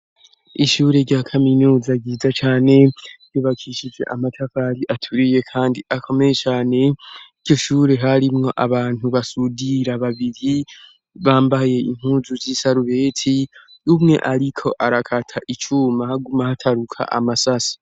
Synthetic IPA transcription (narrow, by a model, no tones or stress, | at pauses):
iʃuːɾe̞ɾɟaːkʰaminuːzaɡiːzat͡ʃaːne̞̥ɟuːβakʰiʃid͡ʒe̞̰ʔamatʰafaɾiʔatʰuɾije̞kʰaːndiʔakʰo̞me̞je̞t͡ʃaːne̞iɟɟo̞ʃuːɾe̞ɦaɾimŋo̞ʔaβaːn̥huβasudiɾaβaβiɾi | βaːmbaje̞iŋ̥huːzuzisaɾuβe̞ːtʰi | umŋe̞̰ʔaɾikʰo̞ʔaɾakʰatʰaʔit͡ʃumahaɡumahatʰaɾukʰa̰ʔa̰masasḁ